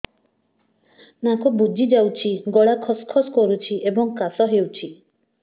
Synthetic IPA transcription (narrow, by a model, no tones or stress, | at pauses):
nakobud͡ʒid͡ʒawt͡ʃʰiɡɔɭakʰɔskʰɔskɔɾut͡ʃʰiʔebɔŋkasɔɦewt͡ʃʰi